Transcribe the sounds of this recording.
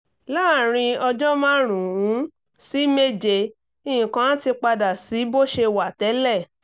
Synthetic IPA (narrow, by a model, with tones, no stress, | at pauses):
la˦˨ɾ̃ĩ˧ɔ˧d͡ʒɔ˦mãː˦ɾ̃ũ˨wũ˨˦ | si˦me˦d͡ʒe˧ | ĩ˦˨jĩ˨kã˦ñ˦ti˧k͡pa˧da˨si˨˦bo˦ʃe˧wa˨tɛ˨˦lɛ˦˨